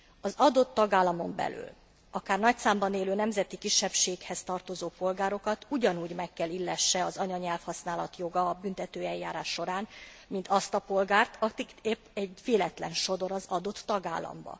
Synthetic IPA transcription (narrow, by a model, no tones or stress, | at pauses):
ɒzɒd̪o̞t̪ːɒɡaːlːɒmo̞mbɛ̰ly̰ːl | ɒkaːrnɒc̚t̪saːmbɒneːløːnɛmzɛt̪ikiʃːɛpʃeːkhɛst̪ɒrt̪o̞zoːpo̞lɡaːɾo̞kɒt̪uɟɒnuːɟmɛkːɛlilːɛʃːɛɒzɒɲɒɲɛlfhɒsnaːlɒ̰t̪jo̞ɡɒbynt̪ɛt̪øːɛjːaːɾaːʃːo̞ɾaːn | mint̪ɒst̪ɒpo̞lɡaːrt̪ʰɒkikepːɛɟveːlɛt̪lɛnʃo̞d̪o̞ɾɒzɒd̪o̞t̪ːɒɡa̰ːlːɒ̰mbɒ̰